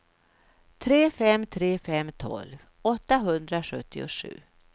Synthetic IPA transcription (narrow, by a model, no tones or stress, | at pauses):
t̪ʰɾeːfɛmːt̪ʰɾeːfɛmːt̪ʰɔ̰lv | ɔt̪ːaɦɵnd̪ɾaɧɵt̪ʰːɪʊ̰ʂʉ̟ː